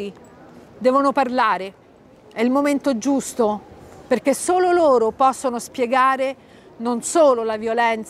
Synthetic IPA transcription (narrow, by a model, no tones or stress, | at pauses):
i | d̪ɛːvonoparlaːɾe | ɛilmoment̪od͡ʒust̪operk̟esːoːloloːɾopɔsːonospjeɡaːɾe | nonsoːlolavjolɛnt̪s